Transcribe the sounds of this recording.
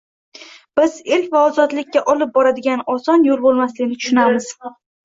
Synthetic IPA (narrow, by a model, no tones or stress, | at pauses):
b̥ɪzelvaɒzɒt̪lɪkʲːaʔɒlɪp̚bɒɾad̪ɪɡʲanɒsɒnjolˠbolˠmaslɪɡʲɪnɪt̪ʰʊ̥ʃɪnamɪz̥